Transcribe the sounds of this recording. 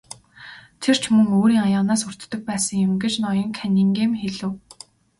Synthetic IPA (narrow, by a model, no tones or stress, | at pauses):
t̪ʰer̥t͡ɕʰmɵŋoːɾiːŋajaːnaːsɵr̥ʲt̪ːɵ̆k̚pæːsə̆ŋjʊmɡet͡ɕnɔjɞ̆ŋkʰænʲiːŋɡeːmxeɮɘ̆w